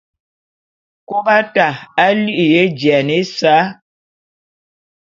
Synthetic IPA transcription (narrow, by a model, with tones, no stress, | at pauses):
ko˦ba˦ta˨a˦li˦ʔje˦d͡ʒjɛ˨ne˦sa˦